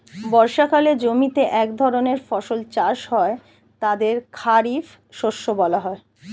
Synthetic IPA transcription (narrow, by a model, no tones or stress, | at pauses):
bɔɾʃakaled͡ʑomit̪eʔɛkd̪ʱɔɾoneɾfɔʃolt͡ɕaʃɦɔe | t̪ad̪eɾkʰaɾif | ʃoʃːobɔlaɦɔe